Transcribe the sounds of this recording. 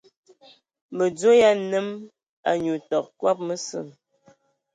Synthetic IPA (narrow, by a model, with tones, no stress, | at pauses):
mə˨d͡zo˦ja˦nə˦m | a̰˨ɲu˨tɔ˨k̚kwa˦p̚mə˦sɨ̰˦˨n